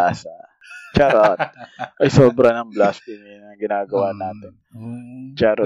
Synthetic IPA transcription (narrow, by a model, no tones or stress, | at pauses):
asa | t͡ʃaɾot̪ʔɐjsoːbɾɐnɐŋblast̪ɪminɐŋɡɪnaːɡɐwanaːt̪ɪn | t͡ʃaɾ